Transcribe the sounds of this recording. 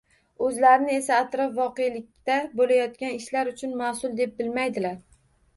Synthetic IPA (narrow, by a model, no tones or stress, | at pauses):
ɵzlaɾɪnɪe̞saːt̪ɾɒfvɒqe̞jlɪk̚ʲt̪abolajɒt̪̚kʲanɪʃlaɾʊt͡ʃʰʊnmasʊlˠd̪e̞p̚bɪlmajd̪ɪlaɾ